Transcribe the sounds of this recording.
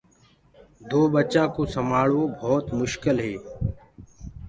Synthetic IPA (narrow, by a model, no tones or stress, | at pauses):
d̪oːɓət͡ʃãːkoːsəmaːɭoːbʱɔːt̪mʊʃkɪlɦeː